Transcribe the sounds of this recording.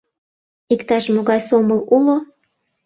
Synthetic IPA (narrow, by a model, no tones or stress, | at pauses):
ikt̪ɑʃmoɣɑjsoməlulo